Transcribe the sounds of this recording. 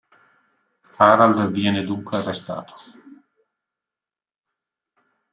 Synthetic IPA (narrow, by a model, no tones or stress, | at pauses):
aːɾald̪vjɛːned̪uŋkwearːest̪a̰ːt̪ʰo̥